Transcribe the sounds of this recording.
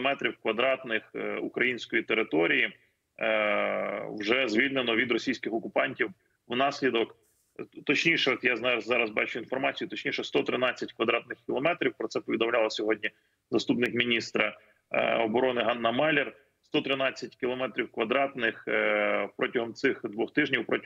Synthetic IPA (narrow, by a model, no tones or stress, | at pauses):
ɔmɛt̪ɾʲiwkʋɐd̪ɾɑt̪nɪxṵkɾɐjinʲsʲkɔjit̪eɾɪt̪ɔɾʲiji | wʒɛzʲʋʲilʲnenɔʋʲid̪ɾɔsʲijsʲkɪxɔkʊpɑnʲtʲiw | wnɑsʲlʲid̪ɔk | t̪ɔt͡ʃnʲiʃɛɔt̪jaznɑɾɐzzɑɾɐzbɑt͡ʃʊinfɔrmɑt͡sʲijʊt̪ɔt͡ʃnʲiʃɛst̪ɔt̪ɾɪnɑt͡sʲːɐtʲkʋɐd̪ɾɑt̪nɪxkʲɪlˠɔmɛt̪ɾʲiwpɾɔt̪sɛpɔʋʲid̪ɔmlʲɑlˠɐsʲɔɦɔdʲnʲi | zɐst̪upnɪkmʲinʲist̪ɾɐ | ɔbɔɾɔnɪɦɑnːɐmɛlʲer | st̪ɔt̪ɾɪnɑt͡sʲːɐt̚ʲkʲɪlˠɔmɛt̪ɾʲiwkʋɐd̪ɾɑt̪nɪx | pɾɔtʲɐɦɔmt̪sɪxd̪ʋɔxt̪ɪʒnʲiwpɾɔ